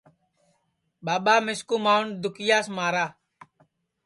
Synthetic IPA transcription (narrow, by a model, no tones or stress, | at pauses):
ɓaːɓaːmɪskuːmaːʊnd̪ʊkɪjaːsmaːɾaː